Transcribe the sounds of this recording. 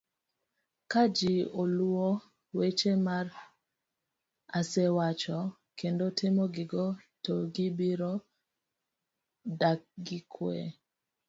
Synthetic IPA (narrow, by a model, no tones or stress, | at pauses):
kad͡ʒiolɔ | wet͡ʃemar | asɛwat͡ʃɔ | kendotɪmɔɡɪɡɔtɔɡɪbiɾɔ | dak̚ɡɪkʰwɛ̰